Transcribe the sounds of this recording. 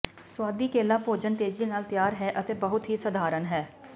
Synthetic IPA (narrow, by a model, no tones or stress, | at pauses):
swaːd̪iːkeːlãːpoːd͡ʒənt̪eːd͡ʒiːnaːlt̪jaːɾɦɛːʔət̪eːbəɦʊt̪ɦiːsəd̪ʱaːɾənɦɛː